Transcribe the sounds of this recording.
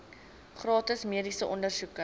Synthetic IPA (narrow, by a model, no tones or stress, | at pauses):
χrɑːtəsmiədisəʔɔndərsukə